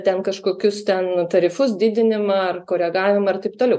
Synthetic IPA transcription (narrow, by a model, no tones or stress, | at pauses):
t̪ʲɛnkɐʃkoːkʲʊst̪ʲɛnt̪ɐɾʲɪfʊs̬d̪ʲɪːd̪ʲɪnʲɪmɐɐrkoːɾʲɛɡɑːʋʲɪmɐɐrt̪ɐɪpt̪oːlʲɛʊ